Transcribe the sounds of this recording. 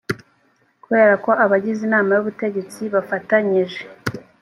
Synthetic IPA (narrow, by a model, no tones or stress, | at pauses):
kuβe̞ːɾako̞ʔaβaɟizinaːmajoβute̞ɟe̞t͡siβafataɲiʒe